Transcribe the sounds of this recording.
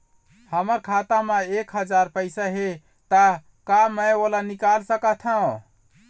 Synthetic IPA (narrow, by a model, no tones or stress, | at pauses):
həməɾkʰat̪amẽekɦəd͡ʒaɾpəɪsaɦe | t̪ə | kaməjolanikalsəkət̪ʰɦə̃